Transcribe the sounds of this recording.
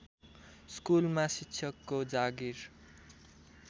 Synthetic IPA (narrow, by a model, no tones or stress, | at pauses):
skulmasitːsʰʌkːod͡zaɡiɾ